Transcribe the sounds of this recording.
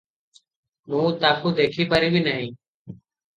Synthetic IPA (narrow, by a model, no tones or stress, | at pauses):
mũːt̪aːkuːd̪eːkʰiːpəɾiːbʱiːnəɦĩː